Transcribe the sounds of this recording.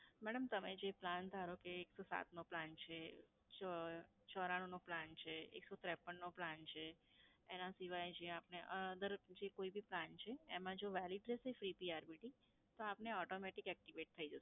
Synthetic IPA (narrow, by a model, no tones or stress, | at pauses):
mɛɽəmt̪əmed͡ʒepland̪ʱaɾokeːksosa̰t̪noplant͡ʃʰe | t͡ʃɔɾaɽ̃onoplant͡ʃʰeḛksot̪ɾɛpːəɳːoplant͡ʃʰeenãsiʋajd͡ʒeapneʔəd̪əɾd͡ʒekoibiplant͡ʃʰeːmãd͡ʒoʋɛliʈɾesəfɾipiaɾbiʈi | t̪oapneɔʈomɛʈikɛk̚ʈiʋeʈ̚t̪ʰəid͡ʒəs